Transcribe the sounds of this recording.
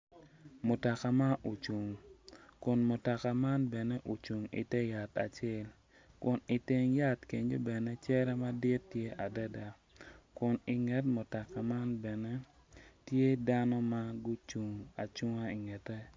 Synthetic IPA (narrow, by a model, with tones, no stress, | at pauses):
mo˨ta˨ka˨ma˦ʔo˨t͡ʃu˨ŋkʊ˨nmo˨ta˨ka˨ma˦nbɛ˨nɛ˦ʔu˨t͡ʃu˨ŋḭ˨tɛ˦ja˨ta̰˨t͡ʃɛ˦l | kʊ˨ni˨ti˦ŋja˦tke˨ɲd͡ʒo˦bɛ˨nɛ˦t͡ʃɛ˦ɾɛ˦ma˦dɪ˦tːje˦ʔa˨dɛ˦da˨ | kʊ˨nɪ˨ŋɛ˦tmo˨ta˨ka˨ma˦nbɛ˨ne˦ | tje˦da˦nɔ˦ma˦ɡʊ˦t͡ʃu˨ŋa˨t͡ʃu˦ŋa˦i˨ŋɛ˨tɛ˦